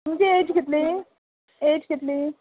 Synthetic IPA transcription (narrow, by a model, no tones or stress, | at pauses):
md͡ʒieːd͡ʒkɪt̪li | eːd͡ʒkɪt̪li